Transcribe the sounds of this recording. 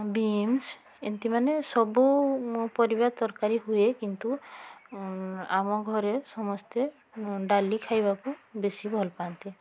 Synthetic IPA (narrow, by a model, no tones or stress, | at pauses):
bims | ent̪imanesɔbupɔɾibat̪ɔɾkaɾiɦuekint̪u | a̰mɔɡʱɔɾesɔmɔst̪e | ɖalikʰajbakubesibʱɔlpant̪i